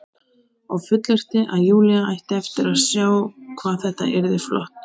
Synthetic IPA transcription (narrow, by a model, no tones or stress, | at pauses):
awfʏt̪lɪr̥t̪ɪʔaðjuːliaajht̪ɪɛft̪ɪɾaðsjaːwkʰvaːðθɛht̪a̰ʔɛɾðɪflɔ̰ht̪